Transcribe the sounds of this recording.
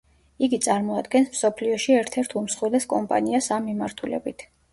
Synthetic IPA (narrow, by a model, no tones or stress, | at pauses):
iɡit̪sʼaɾmɔad̪ɡɛnsmsɔpʰliɔʃiɛɾt̪ʰɛɾt̪ʰumsχwilɛskʼɔmpʼa̰niasamːimaɾt̪ʰulɛ̰bit̪ʰ